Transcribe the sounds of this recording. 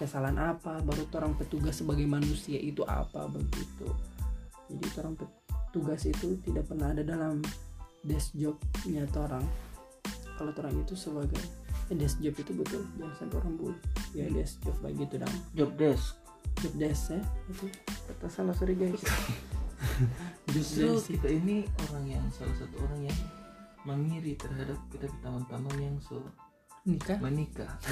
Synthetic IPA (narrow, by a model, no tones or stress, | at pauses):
kəsalanʔapabaɾut̪oɾaŋpət̪uɡasːəbaɡajmanusiaʔit̪uʔa̰pa̰baɡɡḭt̪ṵ | d͡ʒadḭt̪oɾaŋpə | t̪uɡasit̪ut̪idaʔ̚pərnahɦadadalamdɛsd͡ʒɔp̚ɲat̪oɾaŋ | kalot̪oɾaŋit̪usəbaɡajdɛsd͡ʒɔpit̪ubət̪ʊld͡ʒansat̪oɾaŋbolɛhjadɛsd͡ʒɔp̚ba̰ɡit̪uda̰md͡ʒɔp̚dɛsk | d͡ʒɔp̚dɛsait̪upət̪aŋsalasuɾiɡais | d͡ʒus̚t̪dɾukit̪ainioɾaŋjaŋsalahsat̪uoɾaŋjaŋ | məŋiɾit̪ərɦadap̚kit̪apit̪amant̪amanjaŋsə | mənikamənika